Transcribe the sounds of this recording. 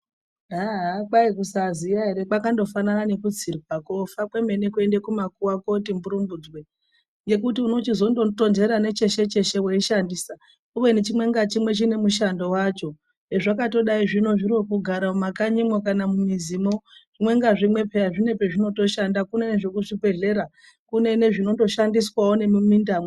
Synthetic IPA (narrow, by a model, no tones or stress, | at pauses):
aɦakwaikusazijaɦe̞ɾe̞kakando̞fanarane̞kud͡zirikakofakwe̞me̞ne̞kue̞ndekumakuwako̞timbuɾumbud͡zwe | ŋɡe̞kutiuno̞t͡ʃizo̞ndoto̞nze̞ɾane̞t͡ʃe̞ʃe̞t͡ʃe̞ʃeweiʃandiːsa | uwe̞net͡ʃimwe̞ŋɡat͡ʃimwe̞t͡ʃine̞muʃando̞wat͡ʃo̞ | eʐakato̞ɗaiʐino̞ʐiɾokuɡʱaɾamumakaɲimwokanamumiziːmo̞ʐ̥imwe̞ŋɡaʐimwe̞pe̞jaʐine̞peʐino̞to̞ʃandakune̞neʐekuʐipe̞ɮe̞ɾa | kune̞ne̞ʐino̞ndo̞ʃandiswawone̞mumindaːmwe